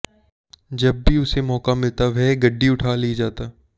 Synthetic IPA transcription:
d͡ʒɐbːiʊsemɔːkamɪlt̪aʋɛɡɐɖːiʊʈʰaːlid͡ʒaːt̪aː

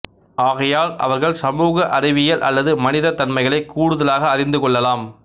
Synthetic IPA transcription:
aːɣɐjaːlɐ̰ʋɐɾɣɐɭsɐmuːɣɐʔɐrɪʋɪjɐlʔɐ̰lːɐðɯmɐnɪðɐt̪ːɐnmɐɪɣɐɭɐɪkːuːɽɯðɐlaːɣɐːrɪnd̪ɯkɔɭːɐlaːm

